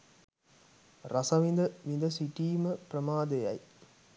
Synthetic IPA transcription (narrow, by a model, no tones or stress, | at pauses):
rɐsɐʋind̪əʋind̪əsiʈiːməpɾəmaːd̪ejɐj